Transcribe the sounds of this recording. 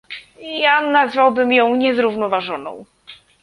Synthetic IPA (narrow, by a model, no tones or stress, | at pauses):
janazvawbɘmjɔ̃w̃ɲɛzɾuvnɔvaʐɔnɔ̰̃w̃